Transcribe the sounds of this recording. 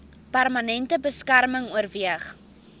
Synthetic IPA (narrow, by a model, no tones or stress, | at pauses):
pærmɐnɛntəbəskærməŋuərviəχ